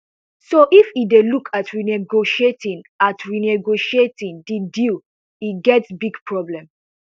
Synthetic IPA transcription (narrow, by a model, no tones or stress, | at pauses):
soʔifidelukʰatʰɹinɛɡoʃietĩnatʰɹinɛɡoʃietĩndidil | iɡɛtsbiɡpʰɹɔblɛ̃m